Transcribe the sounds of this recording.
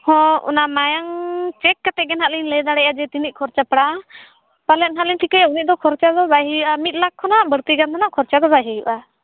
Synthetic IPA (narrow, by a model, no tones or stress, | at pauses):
hɔ̃ʔṵnamajaŋt͡ʃɛkːat̪ɛɡɛnɦaʔlinlɛd̪aɽɛʔad͡ʒɛt̪inic̚kʰɔɾt͡ʃapɽa | palɛnɦalinʈʰikajaunit̪̚d̪ɔkʰɔɾt͡ʃad̪ɔbaɦijuʔamit̪̚ˀlakʰːɔnaʔbəɽt̪iɡant̪ʰanaʔkʰɔɾt͡ʃad̪ɔbaɦijuʔa